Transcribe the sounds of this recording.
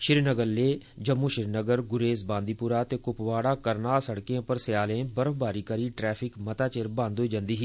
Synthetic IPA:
ʃɪɾnəɡəɾleː | d͡ʒəmːuːʃɪɾnəɡəɾɡʊɾeːzbãːnd̪iːpʊɾaːt̪eːkʊpʋaːɽaːkəɾnaːsəɽkejãːpəɾsɪjaːlẽːbəɾəbaːɾiːkəɾiːʈɾɛːpʰɪkmət̪aːt͡ʃeɾbãːnd̪oiːd͡ʒãnd̪iːɦiː

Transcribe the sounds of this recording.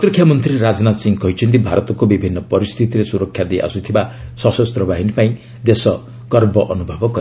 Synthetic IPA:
t̪ɾkʰjamɔnt̪ɾiɾad͡znasĩŋkɔɦjt͡ʃʰint̪ibʱaɾɔt̪ɔkobibʱinːʌpɔɾist̪ʰit̪iɾesuɾɔkʰːjad̪ejʔa̰sut̪ʰibasɔsɔst̪ɾɔbaɦinipaĩ | d̪esɔ | ɡ̥ɔɾbɔʔʌnubʱɔbɔkɔ

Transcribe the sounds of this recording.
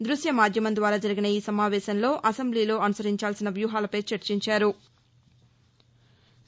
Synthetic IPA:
d̪ɾuʃjɐmaːd̪ʱjɐmɐnd̪ʋaːɾaːd͡ʒɐɾiɡinɐiːsɐmaːʋɛːʃɐnlo̞ːʔɐsembliːlo̞ːɐnusɐɾiɲt͡ʃaːlsinɐʋjuːɦaːlɐpɐjt͡ʃɐɾt͡ʃiɲt͡ʃaːɾu

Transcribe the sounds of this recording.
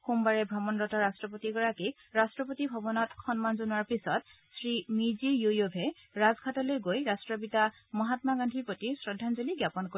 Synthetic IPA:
xumbaɹɛbʱɹɔmɔnɹɔtɔɹastɹɔpotiɡɔɹakik | ɹastɹɔpotibʱɔbɔnɔtxɔnmanzunuaɹpisɔt̚ | sɹimizijojobʱɛ | ɹazkʰatɔlojɡojɹastɹɔpita | mɔɦatmaɡandʱiɹpotisɹɔdʱanzoliɡjapɔnko

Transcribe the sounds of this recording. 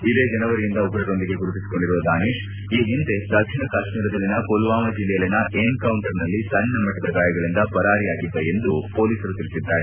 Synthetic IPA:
id̪e̞ːd͡ʒɐnɐʋɐɾijind̪ɐuɡɐɾɐɾond̪iɡe̞ɡuɾut̪isi̥ko̞ɳɖiɾuʋɐd̪aːniːʃ | iːɦind̪e̞d̪ɐkʂiɳɐkaːʃmiːɾɐd̪ɐlːinɐkolʋaːmɐd͡ʒilɛjɐlinɐʔenkɐwuɳʈɐɾnɐlːisɐnːɐmɐʈːɐd̪ɐɡaːjɐɡɐɭind̪ɐpɐɾaːɾijaːɡid̪ːeend̪upo̞ːliːsɐɾut̪iɾisid̪ːaːɾe

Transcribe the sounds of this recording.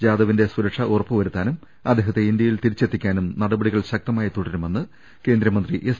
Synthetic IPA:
d͡ʑaːðɐʋinde̞suɾɐkʂɐʔurɐpːɨʋɐɾut̪ːaːnum | ɐd̪ːeɦɐt̪ːe̞ind̪jɐjilt̪iɾit͡ɕːe̞t̪ːikʲːaːnumnɐɽɐbɐɽiɣɐɭɕɐk̚t̪ɐmaːjit̪uɽɐɾume̞nːɨ | ke̞ːnd̪ɾɐmɐnd̪riʔes

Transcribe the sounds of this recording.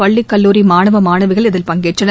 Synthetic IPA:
ɐɭːikːɐlːuːɾimaːnɐʋɐmaːnɐʋɪɣɐɭɪðɪlpɐŋɡeːʈrɐnɐ

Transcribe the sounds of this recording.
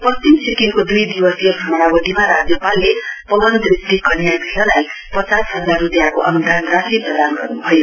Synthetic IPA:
pʌst͡ʃimsʰikiŋkod̪ujd̪iwʌsjʌbʱʌmʌɽ̃abʌɖ̪ʱimaɾad͡zʌpalːepʌɡʌnt̪rist̪ikʌnjad̪ʱilʌlaj | pʌt͡sasɦʌd͡zarut̪jakoʔʌnud̪ʱanɡrasiprʌd̪anɡʌ̰rnubʱʌjo

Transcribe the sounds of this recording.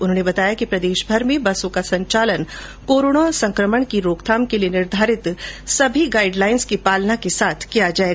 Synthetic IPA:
ʊnɦõːnebɐt̪aːjakipɾɐd̪eːʃbʱəɾmẽbɐsõkasɐ̃ɲt͡ʃaːlən | koːɾoːɽ̃asɐ̃ŋkɾəməɳ̃kiɾoːkt̪ʰaːmkelijenɪɾd̪ʱaːɾɪt̪sɐbʱiɡaːɪɖlaːɪnskipaːlnakesaːt̪ʰkijad͡ʒaːe

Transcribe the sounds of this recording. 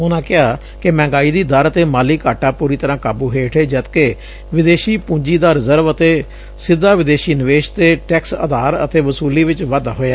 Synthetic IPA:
ʊnãːkɪaː | kɪmɛ̃ːŋɡaːiːd̪iːd̪əɾət̪eːmaːliːkaːʈaːpuːɾiːt̪əɾãːkaːbuːɦeːʈʰeːd͡ʒət̪keː | ʋɪd̪eːʃiːpũːɲd͡ʒiːd̪aːɾɪzəɾʋət̪eː | sɪd̪ːaːʋɪd̪eːʃiːnɪʋeːʃt̪eːʈɛːksə̰d̪aːɾə̰t̪eːʋəsuːliːʋɪt͡ʃʋad̪aːɦoːjaː

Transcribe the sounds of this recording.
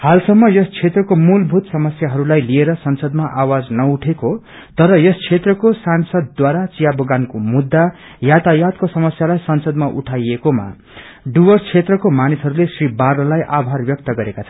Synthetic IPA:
halsʌmːʌjʌst͡sʰet̪rʌkomulbʱut̪sʌmʌsjaɦʌɾulajlieɾʌsʌnsʌd̪maʔawad͡znʌuʈʰeko | t̪ʌɾʌjʌst͡sʰet̪rʌkosansʌd̪ːwaɾat͡sijaboɡankomud̪ːa | jat̪ajat̪̚kosʌmʌsjalajsʌnsʌd̪maʔṵʈʰajekoma̰ | ɖuwʌrt͡sʰet̪rʌkomanisɦʌɾulesribarlʌlajʔabʱarbjʌk̚t̪ʌɡʌɾekat͡sʰʌ

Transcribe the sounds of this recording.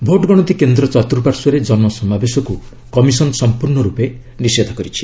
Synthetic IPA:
bʱoʈɡɔɽ̃ɔt̪ikend̪ɾɔt͡ʃɔt̪ɾupaɾsɔɾed͡ʒɔnmɔsɔmabesɔku | kɔmisɔnsɔmpuɾɳɔɾupe | nised̪ʱɔkɔɾit͡ʃʰi̥

